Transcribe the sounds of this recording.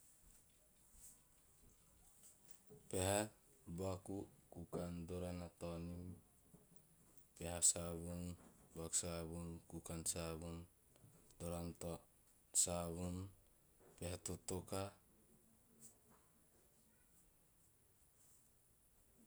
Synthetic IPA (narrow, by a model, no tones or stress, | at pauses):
peɦa | bakukukandoɾanat̪onim | peɦasaβunbaku̥saβunkukansaβun | doɾanto | saβun | peɦatot̪oka